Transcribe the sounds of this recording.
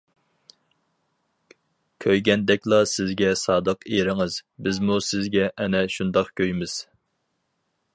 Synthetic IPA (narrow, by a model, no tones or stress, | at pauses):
kʲʰøjɡʲɛnd̪ɛkʲlˠɑsɪzɡʲɛsɑːd̪əqeɾɪŋɨz̥bɪzmusɪzɡʲɛʔɛnɛʃund̪ɑqkʲʰøjmɪz̥